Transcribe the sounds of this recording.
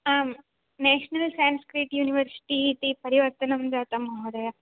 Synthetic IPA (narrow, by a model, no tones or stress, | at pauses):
aːm | neːʂnɐlsaːnskɾiʈjuːniʋɐɾsi̥ʈiːt̪ipɐɾiʋɐɾt̪ɐnɐmd͡ʒaːt̪ɐmɐɦod̪ɐja